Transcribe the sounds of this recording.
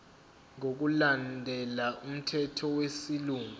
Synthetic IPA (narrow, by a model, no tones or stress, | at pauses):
ŋok̬ulandʱɛlaum̩tʰɛtʰɔwesiluːŋu